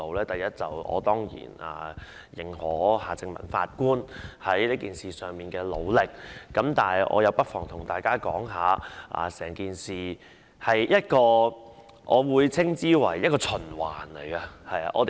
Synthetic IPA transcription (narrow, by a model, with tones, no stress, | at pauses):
o˨˧wlɛː˥t̪ɐ˨jɐ˥t̚t͡sɐ˨wʔɔ̰ː˨˧t̪ɔː˥ŋjḭː˨˩na̰ː˨˩ | jɪ˨ŋhɔː˨˥haː˨t͡sɪ˧ŋmɐ̰˨˩nfa̰ː˧t̚kuː˥nhɐ˨˥jliː˥kiː˨nsiː˨sœː˨ŋmiː˨˩nkɛː˧lo˨˧wlɪ˨k̚ːɐ˨˥mt̪aː˨njʔɔ̰ː˨˧jɐ˨˧wpɐ˥t̚fɔː˨˩ŋt̪ʰʊ˨˩ŋt̪aː˨˩jkaː˥kɔː˨˥ŋɦaː˨˧ʔa̰ː˨sɛː˨˩ŋkiː˨nsiː˨ | hɐ˨jjɐ˥t̚kɔː˧ | ʔɔː˨˧wuː˨˧jt͡sʰɪ˥ŋt͡siː˥wɐ̰˨˩jːɐ˥t̚kɔː˧t͡sʰɵ˨˩nwaː˨˩nle˨˩jɡɐ˧hɐ˨ja̰˧ʔɔː˨˧t̪